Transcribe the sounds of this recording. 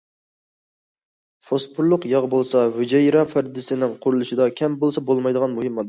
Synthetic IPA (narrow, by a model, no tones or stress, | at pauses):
fospʰuɾlˠʊqjɑʁbolˠsɑwyd͡ʒɛjɾɑfæɾd̪ɪsɪnɪŋqʰʊɾulˠɨʃɪd̪ɑkʲʰɛmbolˠsɑbolˠmɑjd̪əʁɑnmuhɪmːɑd̪